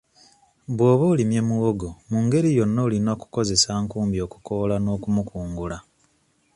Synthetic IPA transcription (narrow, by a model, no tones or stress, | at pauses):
βwo̞ːβoːlimje̞muwoɡomuːŋɡe̞ɾijo̞nːolinoːku̥ko̞ze̞saːŋkuːmbjo̞ːku̥ko̞lano̞ːkumukuːŋɡula